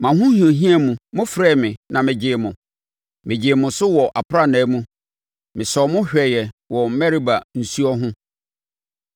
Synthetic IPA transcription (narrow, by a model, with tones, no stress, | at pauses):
mã˨ɦʊ̃˦hĩ˨o˨ɦĩ˦ɛ˦mũ˨mʊ̃˦fɾɛ˦˨mɪ̃˨nã˨mɪ̃˨d͡ʑɪ˨mʊ̃˨ | mɪ̃˨d͡ʑɪ˨mʊ̃˨sʊ˦wɔ˨ʔa˨pʰɾa˦nɛ̃˨˦mũ˦ | mɪ̃˨sɔː˨mʊ̃˦ɕᶣɛ˨jɛ˨wɔ˨m̩˦mɛ˦ɾi˦ba˨n̩˨su˦ɔ˦ɦʊ̃˦